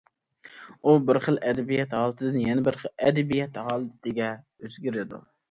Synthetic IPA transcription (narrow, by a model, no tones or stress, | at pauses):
ubɪɾχəlˠʔɛd̪ɛbijɛt̪ɦɑːlˠɨt̪ʰɨd̪ɨnjɛnɪbɪɾχəɛd̪ɛbijɛt̪hɑːlˠɨt̪ʰɪɡʲɛ | øzɡʲiɾɪd̪ṵ